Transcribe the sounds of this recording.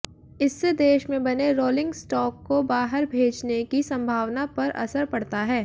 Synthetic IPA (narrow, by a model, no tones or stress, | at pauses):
ɪsːed̪eːʃmẽbɐneɾoːlɪ̃ŋɡsʈɔːkːobaːɦəɾbʱeːd͡ʒnekisɐ̃mbʱaːʋnapɐɾʔɐ̰səɾpɐɽt̪aɦɛː